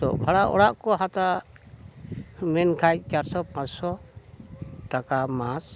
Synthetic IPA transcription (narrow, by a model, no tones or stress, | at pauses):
tɔ̰bʱaɽaʔɔ̰ɽaʔkɔɦat̪a | mɛnkʰajc̚ˀt͡ʃaɾsɔpãt͡ʃsɔ | ʈakamãs